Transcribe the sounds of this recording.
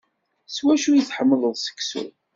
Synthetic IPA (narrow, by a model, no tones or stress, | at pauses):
swæʃujiθħəmːləðˤsə̥ksṵ